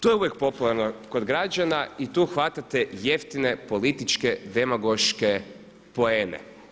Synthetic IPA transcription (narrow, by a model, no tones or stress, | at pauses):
t̪ojeuʋjek̚po̞pulˠaɾnoko̞d̪ɡɾad͡ʒanait̪uːxʋat̪at̪eje̞ft̪ine̞po̞lit̪it͡ʃked̪emaɡoʃke | po̞eːnḛ